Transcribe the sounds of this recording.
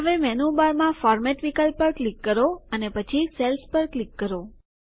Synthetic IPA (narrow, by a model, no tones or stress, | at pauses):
əʋemɛnubaɾmãfɔɾmɛʈʋikəlpːəɾklikːəɾoənepət͡ʃʰiselspəɾklikːəɾo